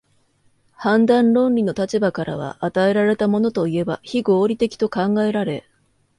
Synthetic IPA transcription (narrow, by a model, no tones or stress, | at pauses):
hãnd̪ãnɾõ̞nɾʲino̞t̪at͡ɕibakaɾa̰β̞a̰ʔːt̪ae̞ɾaɾe̞t̪amo̞no̞t̪o̞ie̞ba̰çiɡo̞ːɾʲit̪e̞kʲi̥t̪o̞kãŋɡae̞ɾaɾe̞